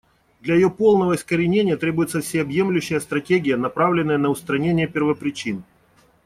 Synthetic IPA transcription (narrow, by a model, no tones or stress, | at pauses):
d̪lʲɐjɪjo̞po̞lˠnəvəɪskəɾʲɪnʲenʲɪjət̪ɾʲe̞bʊjɪt̪səfsʲɪɐbje̞mlʲʉɕːɪjəst̪ɾɐtʲeɡʲɪjənɐpɾavlʲɪnːəjənəʊst̪ɾɐnʲenʲɪjəpʲɪrvəpɾʲɪt͡ɕin